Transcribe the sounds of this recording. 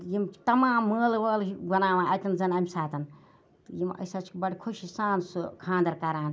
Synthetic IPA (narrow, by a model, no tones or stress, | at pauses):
jimt̪ɐmaːmːəːlʋəːliɡɐnaːʋãːɐt̪ɐnzɐnɐmʲsaːt̪ɐn | t̪jimɐ̰sɐt͡ʃʰkbɐɽʲkʰuʃisaːnskʰãːnd̪ɐɾkɐɾaːn